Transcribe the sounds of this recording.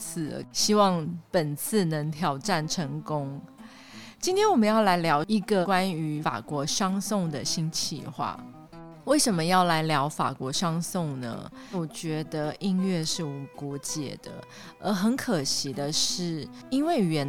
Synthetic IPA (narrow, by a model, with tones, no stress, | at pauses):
t͡s̩ʰ˨˩˨ɕi˥wɑ˥˩ŋpə˨˩nt͡s̩ʰ˥˩nə˧˥ŋt̪ʰjɑ˨˩ʊʈ͡ʂa˥˩nʈ͡ʂʰə˧˥ŋkʊ˥ŋ | t͡ɕi˥nt̪ʰjɛ˥nwɔ˨˩mə˨˦njɑ˥˩ʊla˧˥ɪljɑ˧˥ʊi˧˥ɡə˨kwa˥ny˧˥˦fa̰˨˩kwɔ˧˥ʂɑ˥ŋsʊ˥˩ŋd̪ə˨ɕi˥nt͡ɕʰḭ˥˧xwa̰˥˩ | we˥˩ɪʂə˨˥nmə˦jɑ˥˩ʊla˧˥ɪljɑ˧˥ʊfa̰˨˩kwɔ˧˥ʂɑ˥ŋsʊ˥˨ŋnə̰˩ | wɔ˨˩t͡ɕɥɛ˧˥d̪ə˧i˥˧nɥɛ˥˧ʂɻ̩˥˩wɔ˨˩kwɔ˧˥t͡ɕjɛ̰˨˩d̪̥ə̰˦ | ə˧˥xə˧˥nkʰə˨˩ɕi˧˥d̪ə˧ʂɻ̩˥˩i˥nwe˥˩ɪɥɛ˧˥n